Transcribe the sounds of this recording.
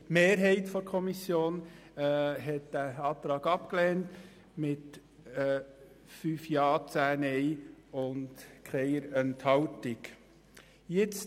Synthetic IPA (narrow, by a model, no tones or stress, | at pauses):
meːɾɦɛɪtfɔɾkʰɔmisjoːnː | ɦɛt̚d̥æɑːt̪ɾɑːɡɑpklɛːnt | mɪtː | fyːfjɑːt͡sæːnɛɪʊntkʰɛɪəɾɛnthɑltɪk | jɪt͡s